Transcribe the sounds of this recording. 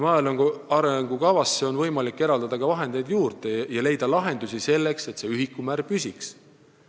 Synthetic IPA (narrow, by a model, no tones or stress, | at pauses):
mɑeloŋɡuɑɾeŋɡ̥ukɑvɑsːeo̞nvɤjmɑlikːe̞ɾɑld̪ɑd̪̥ɑkɑvɑɦe̞nd̪̥e̞jd̪juːɾt̪ejɑle̞jd̪ɑlɑɦe̞nd̪usise̞lːe̞kse̞t̪se̞yɦikːˑumæɾpysʲiks